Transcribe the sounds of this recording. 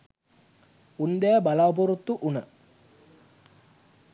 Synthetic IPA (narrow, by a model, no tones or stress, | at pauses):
und̪ejabɐlaːp̬uɾut̪ːuʔunə